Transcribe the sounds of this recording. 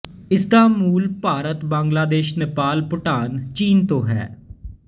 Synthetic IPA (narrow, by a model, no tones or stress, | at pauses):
ɪsd̪aːmuːlpaːɾət̪bãːŋɡlaːd̪eːʃnɪpaːlpʊʈaːnt͡ʃiːnt̪õːɦɛ̰ː